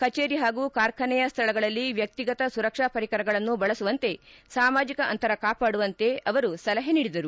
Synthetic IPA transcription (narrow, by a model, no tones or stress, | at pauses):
kɐt͡ʃeːɾiɦaːɡukaːɾkʰɐnɛjɐst̪ʰɐɭɐɡɐɭɐlːiʋjɐk̚t̪iɡɐt̪ɐsuɾɐkʂaːpɐɾikɐɾɐɡɐɭɐnːubɐɭɐsuʋɐnt̪e̞saːmaːd͡ʒikɐʔɐ̰nt̪ɐɾɐkaːpaːɽuʋɐnt̪e̞ɐʋɐɾusɐlɐɦeniːɽid̪ɐɾu